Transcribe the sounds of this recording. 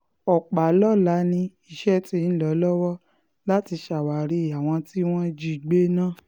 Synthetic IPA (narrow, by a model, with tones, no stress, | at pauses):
ɔ˨k͡pa˨lɔ˦la˨˦nĩ˧ | i˨ʃɛ˦ti˧˦˧n̩˦lɔ˨˦lɔ˦wɔ˦ | la˦ti˧ʃa˨wa˨ɾi˧˨a˨w̃ɔ̃˧ti˦w̃ɔ̃˦d͡ʒi˦˨ɡ͡be˦nãː˦˨